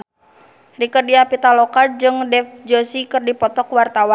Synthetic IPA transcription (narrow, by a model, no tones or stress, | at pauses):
rikərdiapit̪alɔkad͡ʒɨŋdɛfd͡ʒɔsikɨrdipɔt̪ɔkwart̪awan